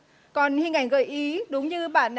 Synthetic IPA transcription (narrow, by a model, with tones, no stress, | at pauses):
kɔ˨˩nhi˧əŋʔa˧˩ŋɣə̰ː˧˨˩jʔi˨˦ɗʊ˨˦wŋ͡mɲɨ˧ɓa̰ː˧˨nʔ